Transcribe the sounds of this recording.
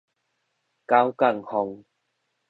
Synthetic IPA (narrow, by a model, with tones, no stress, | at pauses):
ka˦wka˥˧˩ŋhɔ˧ŋ